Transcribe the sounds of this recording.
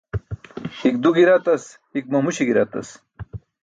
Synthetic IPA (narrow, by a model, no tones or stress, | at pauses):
xik̚d̪uɡiɾat̪ɐs | hik̚mɐmuɕiɡiɾat̪ɐ̰s